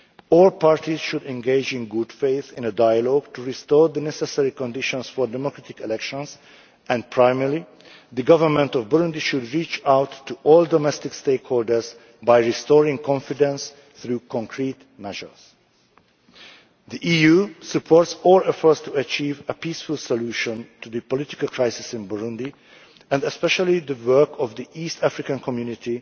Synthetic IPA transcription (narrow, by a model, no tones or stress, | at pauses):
ɔlpaɹtiz̥ʃudɛ̃nɡeɪd͡ʒɪ̃nɡʊdfeɪθɪ̃nədajəlɔɡtuɹistɔɹðənɛsɛsɛɹikɔ̃ndɪʃɔ̃nsfɔɹdɛmɔkɹatɪkɛlɛkʃɔ̃ns | ʔɛ̃npʰɹaɪmɛɹli | ðəɡʌvə˞mɛ̃ntɔvbɔɹũndiʃudɹiːt͡ʃawtʰːuʔɔldɔmɛstɪksteɪkhoːldə˞z | bajɹistɔɹɪ̃ŋkʰɔ̃nfɪdɛ̃ns | θɹuːkʰɔ̃ŋkʰɹiːt | mɛʒə̰˞z̥ | d̪iʔiːjuːsɨpʰɔɹtsɔlɛfə˞st̪uət͡ʃiːvəpiːsfulsoluːʃɔ̃ntud̪ɨpɔlɪt̪ɪ̥kəlkʰɹaɪsɪsɪ̃nbuɹũnd̪i | ɛ̃ndɛspɛʃalid̪əwɜ˞kʰɔvd̪iʔiːst̪ʰæfɹɪkãnkʰɔmjunɪt̪i